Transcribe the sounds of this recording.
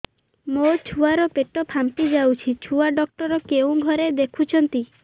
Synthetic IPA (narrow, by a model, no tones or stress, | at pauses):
mot͡ʃʰuaɾɔpeʈɔpʰampid͡ʒawt͡ʃʰit͡ʃʰuaɖɔk̚ʈɔɾɔkeũɡʱɔɾed̪ekʰut͡ʃʰɔnt̪i